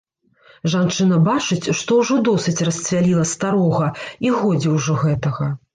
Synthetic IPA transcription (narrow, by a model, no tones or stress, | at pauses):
ʐant͡ʂɨnɐbat͡ʂɨt͡sʲʂt̪ɔwʐɔd̪ɔsɨt͡sʲrɐsʲt͡sʲvʲalʲilˠɐst̪aɾɔɣɐiɣɔd͡zʲiwʐɔɣɛt̪ɐɣɐ